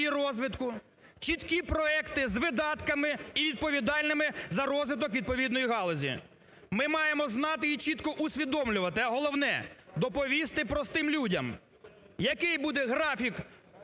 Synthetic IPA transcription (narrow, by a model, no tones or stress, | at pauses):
irɔzʋɪt̪kʊ | t͡ʃit̪kʲipɾɔɛkt̪ɪzʋɪd̪ɑt̪kɐmɪiʋʲid̪̚pɔʋʲid̪ɑlʲnɪmɪzɐɾɔzʋɪt̪ɔkʋʲid̪̚pɔʋʲid̪nɔjiɦɑlˠɔzʲḭ | mɪmɑjemɔznɑt̪ɪit͡ʃit̪kɔʔʊsʲʋʲid̪ɔmlʲʊʋɐt̪ɪɐɦɔlˠɔwnɛd̪ɔpɔʋʲist̪ɪpɾɔst̪ɪmlʲudʲɐm | jɐkɪjbud̪ɛɦɾɑfʲik